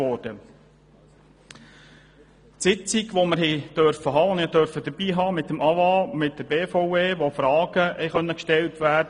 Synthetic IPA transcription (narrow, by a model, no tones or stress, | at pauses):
ɔɾd̥ə | tsɪt͡siɡʋoməɾɦɛɪd̥œɾfəɦɑːʊnɪɑdœɾfəd̥̪əɾb̥iːɦɑːmɪtːəmɑʋɑːmɪt̚dəɾbeːfɔʊeːʋofɾɑːɡ̥əhɛɪχœnːəkʃtɛltʋæːdə